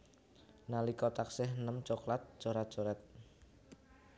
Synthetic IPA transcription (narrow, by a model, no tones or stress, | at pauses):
nalikɔt̪aksɪɦnəmt͡ʃɔklat̪̚t͡ʃɔɾat̪̚d͡ʒ̥oɾat̪̚